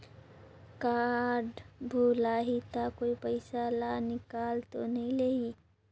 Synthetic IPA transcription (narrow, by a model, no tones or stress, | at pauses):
kaːɾɖbʱulaːɦit̪akoipəɪsalanɪkaːlt̪onəɦĩlei